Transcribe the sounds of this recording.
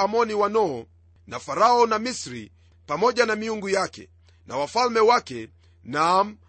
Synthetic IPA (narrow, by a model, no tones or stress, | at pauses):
amɔniwanɔː | nafaɾaɔnamisɾi | pamɔʄanamiuŋɡujakɛ̰ | na̰wafalmɛwakɛ | nam̩